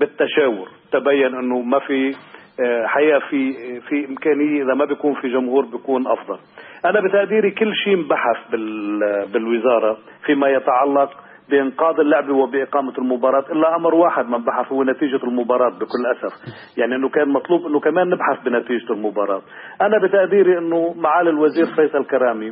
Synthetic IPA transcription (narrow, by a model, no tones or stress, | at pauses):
bɪt̪ːaʃaːwʊɾ | t̪abajːanʔɪnːʊmafi | ħajaːʔfifiʔɪmkaːnɪjːeʔɪðamabɪkuːnfiʒʊmhuːɾbjkuːnʔɑ̰fd̪ˤɑl | ʔanabɪt̪aʔd̪iːɾikɪlːʃiːmbaħaθbɪlbɪlwɪzɑːɾˤɑ | fimajɪt̪aʕɑlːɑq̚ | bɪʔɪnqɑːd̪ˤɪlːʊʕbiwɪbɪʔɪqɑːmalmʊbɑːɾˤɑːt̪ʔɪlːaʔamɾwaːħɪd̪mambaħaθhʊwːenat̪iːʒalmʊbɑːɾˤɑːt̪̚bɪkʊlːʔasaf | jaʕniʔɪnːʊkaːnmɑt̪ˤluːbʔɪnːʊkameːnːɪbħaθbɪnat̪iːʒɪlmʊbɑːɾˤɑːt̪̚ | ʔanabɪt̪aʔd̪iːɾiʔɪnːʊmaʕaːlɪlwaziːɾfɑjsalkaɾaːmi